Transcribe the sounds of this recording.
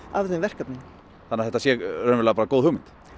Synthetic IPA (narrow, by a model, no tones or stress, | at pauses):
avðɪnvɛr̥kapnɪn | θanaθɛht̪asjɛrœːnmvɾlɛːpaɾakoːwðhʏwmɪnt̪